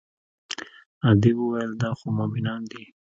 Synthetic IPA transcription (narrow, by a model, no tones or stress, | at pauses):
ɑd̪iwəwajəld̪ɑxomabinɑnd̪i